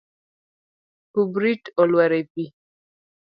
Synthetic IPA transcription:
kubɾitɔlwaɾepi

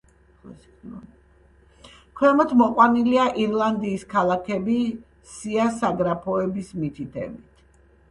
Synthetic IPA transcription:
kʰwɛmɔt̪ʰmɔqʼwaniliaʔiɾlˠand̪iːskʰalˠakʰɛbi | siasaɡɾapʰɔɛbismit̪ʰit̪ʰɛ̰bit̪ʰ

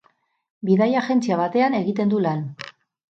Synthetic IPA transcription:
biðajaxe̞nt͡siaβ̞at̪e̞ane̞ɣit̪e̞nd̪ulan

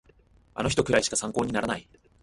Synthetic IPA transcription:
a̰no̞çi̥t̪o̞kɯ̟ɾaiɕi̥kasãŋkoːɲ̟inaɾanai

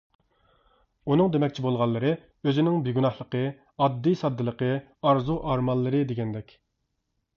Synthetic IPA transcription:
unɨŋd̪emɛkʲt͡ʃʰibolˠʁɑlˠːəɾɨ | øzɪnɪŋbiɡʲunɑhlˠəqə | ɑd̪ːijsɑd̪ːɨlˠəqə | ɑɾzuʔɑɾmɑlˠːɨɾɨd̪eɡʲɛnd̪ɛkʲ

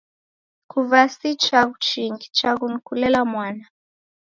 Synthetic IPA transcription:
kuvasit͡ʃaɡut͡ʃiŋɡit͡ʃaɣunkulɛlamwana

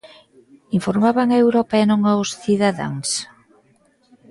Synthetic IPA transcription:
iɱfoɾmaβaŋaewɾɔpaɛnõŋawsθiðaða̰ŋs

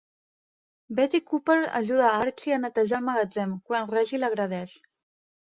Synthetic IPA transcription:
bɛt̪ikupəɾə̰ʒuðaaɾt͡ʃiənət̪əʒalˠməɣəd͡zɛmkwanrɛʒiləɣ̞ɾəð̞ɛʃ

